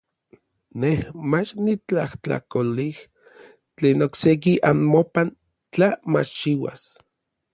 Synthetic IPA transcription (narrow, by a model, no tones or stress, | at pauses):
nehmat͡ʃnit͡ɬaht͡ɬa̰kolih | t͡ɬeːnoksek̬iʔanmopan | t͡ɬamat͡ʃt͡ʃiwa̰s